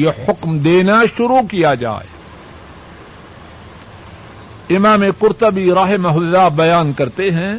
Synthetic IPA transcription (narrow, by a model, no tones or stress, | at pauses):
jehʊkmd̪eːnaʃʊɾukijad͡ʒa̰ːḛ | ɪmaːmekʊɾt̪əbiɾaːɦɪmɐɦʊd̪d̪aːbɐjaːnkɐɾt̪eɦɛ̃ː